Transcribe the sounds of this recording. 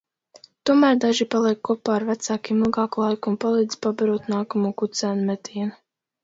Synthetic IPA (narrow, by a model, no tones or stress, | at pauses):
t̪uɔmæːɾd̪aʒipalˠiɛkːɔpaːɾvæt̪saːkimɨlˠɡɑːkulˠajkumpalˠiːd̪z̥ʲpabaɾuːt̪naːkamuːkut̪sæːnumɛt̪ʰiːɛnu